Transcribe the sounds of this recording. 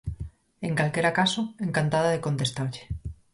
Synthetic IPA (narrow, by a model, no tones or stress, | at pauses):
eŋkalkeɾakasoeŋkant̪aðaðekont̪est̪aɾʎe̥